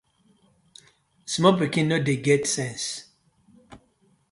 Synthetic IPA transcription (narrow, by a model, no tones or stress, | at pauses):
smɔbɹikĩnːodeɡɛtsɛ̃ns